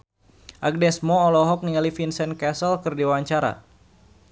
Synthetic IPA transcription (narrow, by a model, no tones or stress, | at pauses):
ʔak̚dɛsmɔːlɔɦɔk̚niŋalifinsɛnkɛsəlkɨrdiwaɲt͡ʃaɾa̰